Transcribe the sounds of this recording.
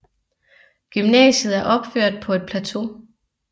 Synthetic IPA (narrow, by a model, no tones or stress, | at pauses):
ɡ̥ymnɛ̰ːɕð̩ˠæɐʔɒ̽b̥føɐ̰d̥̚pʰɒ̽e̝d̥̚pʰlæt͡sʰo̝